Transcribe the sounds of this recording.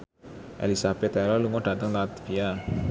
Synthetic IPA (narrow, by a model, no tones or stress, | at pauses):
ʔḛlisab̥ɛt̪ɛlɔluŋɔɖ̥ä̤t̪əŋlat̪via